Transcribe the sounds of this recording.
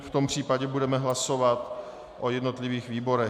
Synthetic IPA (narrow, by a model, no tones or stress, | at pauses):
ft̪ompr̝̥iːpaɟɛbudɛmɛɦlaso̞vat̪ | ʔojɛdno̞t̪lɪviːxviːbo̞ɾɛ